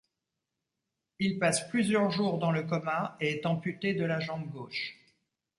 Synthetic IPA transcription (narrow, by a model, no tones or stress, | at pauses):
ilpasplyzjœʁʒuʁd̪ɑ̃ləkɔmãeɛt̪ɑ̃pyt̪ed̪əlaʒɑ̃bɡoːʃ